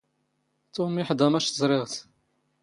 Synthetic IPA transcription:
t̪umiħd̪æmæʃt̪əzˤɾˤɪʁt̪

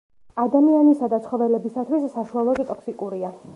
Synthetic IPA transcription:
ad̪amianisad̪at̪sʰχɔvɛlɛbisat̪ʰwisːaʃualˠɔɡit̪ʼɔksikʼuɾia

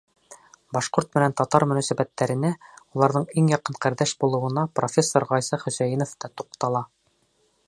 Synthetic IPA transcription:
bɑʃqoɾt̪̚mɘ̆nænt̪ɒt̪ɑɾmɵ̆næsæbæt̪ːæɾɘ̆næulˠɑɾðɤɴiŋjɑqɤɴqæɾd̪æʃbulˠɤ̆wɤ̆nɑpro̞fʲe̞sːoɾʁɒjsɑχɵ̆sæjinoft̪ɑt̪uqt̪ɑlˠɑ

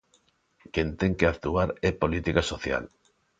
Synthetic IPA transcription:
kent̪eŋkeakt̪uaɾɛpolit̪ikasoθja̰l

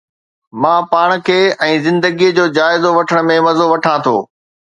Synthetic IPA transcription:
mãːpaːɽ̃̆kʰeːɛ̃ːzɪ̃nd̪əɡijəd͡ʑoːd͡ʑaːɪzoʋɐʈʰəɽ̃̆mẽʋɐzoʋɐʈʰãt̪ʰo̰ː

